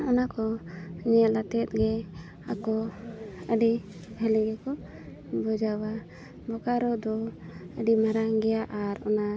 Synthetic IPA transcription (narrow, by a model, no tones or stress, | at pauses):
ɔnakɔɲɛalat̪ɛt̪̚ˀɡɛ | akɔ | əɖi | bʱəliɡɛkɔ | bɔd͡ʒawa | bɔkaɾɔd̪ɔəɖimaɾaŋɡɛjaʔaɾɔna